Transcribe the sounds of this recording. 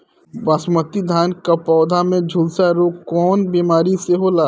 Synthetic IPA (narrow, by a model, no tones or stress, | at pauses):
basmət̪id̪ʱaːnkapɔːd̪ʱamẽd͡ʒʱʊlsaɾoːɡkɔːnbiːmaːɾiseɦolaː